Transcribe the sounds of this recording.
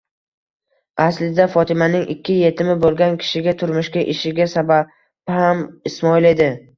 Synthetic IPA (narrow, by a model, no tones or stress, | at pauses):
aslɪd̪afɒt̪ʰɪmanɪŋʔɪkʲːɪje̞t̪ʰɪmɪbolˠɡʲankʲʰɪ̥ʃɪɡʲat̪ʰʊɾmʊʃkʲaʔɪʃɪɡʲasaba | b̥hamɪsmɒɪle̞d̪ɪ